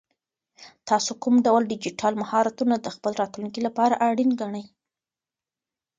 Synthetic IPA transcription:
t̪ɑsokumɖawldɪd͡ʒiʈʰɑlmahɑɾat̪unad̪əxpəlɾɑt̪luŋkilapɑɾaʔaɽinɡaɳəj

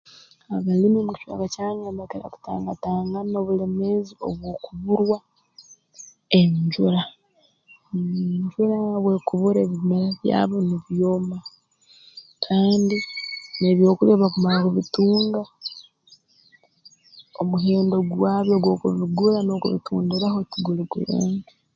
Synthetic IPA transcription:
aβalimimuci̥ʃwa̰kacaːɲaːmbakeɾa̰ku̥ta̰ːŋɡataːŋɡano̞ːβule̞mezio̞̰βwo̞ːkuβuɾwa | eɲɟuɾa | ɲɟuɾaβwe̞kuβuɾeːβimeɾaβja̰ːβoniβjoːma | kʰaːndineβjo̞ːkuleβakumaɾakuβituːŋɡa | o̰muɦeːndo̞ɡwaːβjoɡwo̞kuβiɡulano̞kṵβḭtuːndiɾahotiɡuliɡṵlḛːŋɡa

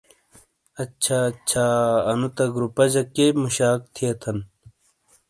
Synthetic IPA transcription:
ɐt͡ɕʰat͡ɕʰaːɐnut̪ɐɡɾupɐd͡ʑɐkːemuɕaːk̚t̪ʰijɐt̪ʰɐn

